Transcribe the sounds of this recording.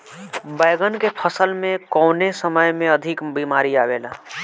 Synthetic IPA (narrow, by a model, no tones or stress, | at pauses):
bəjɡənkepʰəsəlmẽkəʊnesəməjmẽəd̪ʱikbimaɾiabela